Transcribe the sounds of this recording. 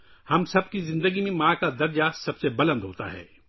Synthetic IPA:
hɐmsɐb̚kizɪ̃nd̪əɡimẽmãːkad̪ɐɾd͡ʒasɐbsebɐlə̃nd̪ɦo̰ːt̪a̰ɦɛ̰ː

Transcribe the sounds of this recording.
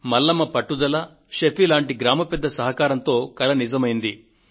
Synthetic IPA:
mɐlːɐmɐpɐʈːud̪ɐlɐ | ʃepilaːɳʈiɡɾaːmɐpɛd̪ːɐsɐɦɐkaːɾɐnt̪o̞ːkɐlɐnizɐmɐjind̪i

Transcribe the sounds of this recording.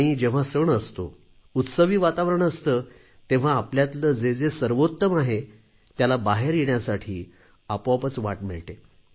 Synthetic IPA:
aɽ̃iːd͡ʑeʋ̤asəɳəst̪o̰ | ut̪səʋiːʋat̪aʋɾəɳəst̪ə | t̪ẽʋ̤aːpljat̪ləd͡zed͡zesəɾʋot̪ːəmaɦe | t̪jalabaɦeɾjeɳjasaʈʰiː | apapət͡sʋaʈmiɭʈ̪e

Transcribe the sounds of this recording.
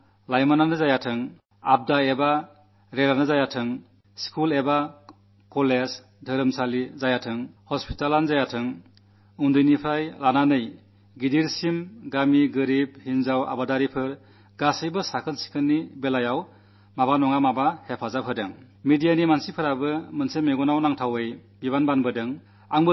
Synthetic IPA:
lajmananɯzajatʰɯŋ | ab̚daeba | ɾelanɯzajatʰɯŋ | skʰuleba | kɔlez | dʱəɾɯmsalizajatʰɯŋhɔspʰi̥talanzajatʰɯŋ | undɯjnipʰɾajlananɯj | ɡidiɾsimɡamiɡɯɾib̚hinzawa̰badaɾipʰɯɾ | ɡasɯjbɯsakʰɯnsi̥kʰɯnːibelajaw | mabanɔŋamabahepʰazapʰɯdɯŋ | medijanimansipʰɯɾabɯmɯnsemeɡɔnawnaŋtʰawejbiβanbanbɯdɯŋ | aŋbɯ

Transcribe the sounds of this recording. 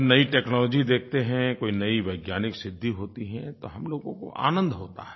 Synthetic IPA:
nɐiʈɛːknɔːlɔːd͡ʒid̪eːk̚ʰt̪eɦɛ̃koːinɐiʋɐɪɡjaːnɪksɪd̪ʱːiɦoːt̪iɦɛ̃t̪oɦɐmloːɡõko̰ʔa̰ːnə̃nd̪ʱɦoːt̪a̰ɦɛ

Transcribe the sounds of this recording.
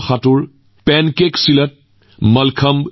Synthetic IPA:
xatuɾ | pɛnkeksilət̚ | mɐlkʰəm

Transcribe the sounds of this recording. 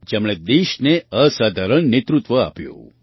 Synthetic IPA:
d͡ʒemɭed̪eʃneəsad̪ʱaɾəɳnet̪ɾut̪ʋəa̰pjṵ̃

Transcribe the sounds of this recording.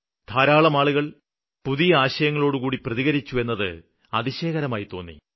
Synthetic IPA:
t̪ʰaːɾaːɭɐmaːɭuɣɐɭ | puðijɐaːɕɐjɐŋːɐɭo̞ːɽukuːɽiprɐðiɣɐɾit͡ɕːue̞nːɐðɨ | ɐðiɕe̞ːɣɐɾɐmaːjit̪o̞ːnːḭ

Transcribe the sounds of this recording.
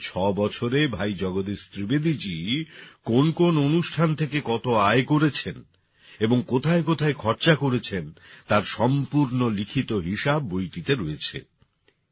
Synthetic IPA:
t͡ɕʰɔbɔt͡ɕʰoɾebʱajd͡ʑɔɡod̪ist̪ɾibed̪id͡ʑikonkononuʃʈʰant̪ʰekekɔt̪oaekoɾet͡ɕʰen | eboŋkot̪ʰaekot̪ʰaekʰɔɾt͡ɕakoɾet͡ɕʰent̪aɾʃɔmpuɾnolikʰit̪oɦiʃabːojʈit̪eɾoet͡ɕʰḛ

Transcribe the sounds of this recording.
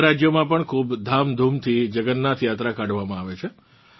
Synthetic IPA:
ɾad͡ʒjomãpəɳkʰubd̪ʱamd̪ʱumt̪ʰid͡ʒəɡənːat̪jat̪ɾakaɖʋamãaʋet͡ʃʰe

